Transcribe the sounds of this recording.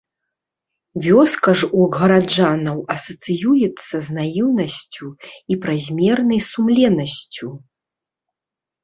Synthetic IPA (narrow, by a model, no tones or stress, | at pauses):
vʲɔskɐʐuɐɡɣɐɾad͡ʐanɐwɐsɐt̪sɨjujɛt̪sːɐznajuwnɐsʲt͡sʲuipɾazʲmʲɛrnɐjsumlʲɛnɐsʲt͡sʲu